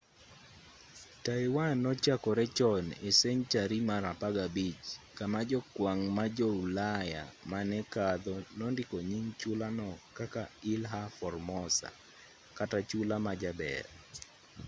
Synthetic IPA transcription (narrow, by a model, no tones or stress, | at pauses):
taɪwanɔt͡ʃakɔɾɛt͡ʃɔnesɛɲt͡ʃaɾimaɾapaɡabit͡ʃkamad͡ʒɔkwaŋmad͡ʒɔulaja̰manɛkad̪ɔnɔndɪkɔɲiŋt͡ʃulanɔkakaɪlɦafɔrmɔsa̰ | katat͡ʃulamad͡ʒabɛ̰r